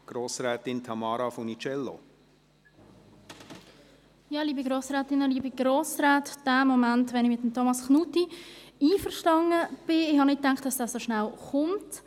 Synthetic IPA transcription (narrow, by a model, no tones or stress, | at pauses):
ɡ̥ɾoːsɾɛːtɪntʰɑmɑːɾɑfɔnit͡ʃɛlːo̰ | jɑliːbiɡɾoːsɾɛːtɪnːəliːbiɡɾoːsɾaːtd̥æːmɔmantʋɛnɪçmɪt̪ːəm̩tʰɔmɑsχnuːtiiːfəɾʃtɑŋəb̥ɪɪhɑnɪt̚ːaŋktd̥ɑsd̥aːsoʃnalχʊmt